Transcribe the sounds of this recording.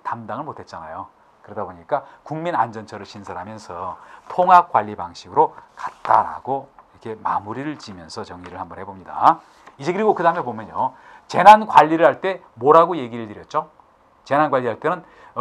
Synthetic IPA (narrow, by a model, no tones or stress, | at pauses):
tamdaŋɯɭmotʰe̞t̚t͡ɕ͈anajo | kɯɾʌdaboɲik͈akuŋmina̰nd͡ʑʌnt͡ɕʰʌɾɯɭɕʰinsʰaɾɦamjʌnsʰʌtʰoŋɦak͈̚waʎːibaŋɕʰiɡɯɾokat̚t͈aɾa̰ɡoiɾʌkʰe̞ma̰muɾiɾɯɭt͡ɕimjʌnsʰʌt͡ɕʌŋɲiɾɯɭhambʌnɦe̞bomɲida̰ | id͡ʑe̞kɯɾiɡokɯdamebomjʌɲjo | t͡ɕe̞nanɡwaʎːiɾɯɭhaɭt͈e̞ | moɾɦaɡoje̞ɡiɾɯɭtɯɾjʌt̚t͡ɕ͈o | t͡ɕe̞nanɡwaʎːiɦaɭt͈e̞nɯn